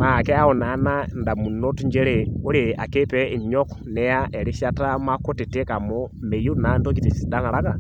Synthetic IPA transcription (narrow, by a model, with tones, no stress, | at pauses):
ma˨kɛ˦a˦ɔ˨na˨˦na˦nda˨mu˨no˦tu˦ɲd͡ʒɛ˦ɾe˨o˦ɾe˨a˨ke˦pɛ˦i˨mɔ˦kɔ̥nɛ˦ja˦ʔɛ˨ɾi˦ʃa˦ta˦ma˦ko˦ti˨te˦ka˨mo˦me˨ju˦na˨˦ndo˦ki˨ti˨si˨da˦na˨ɾa˦ka˦˨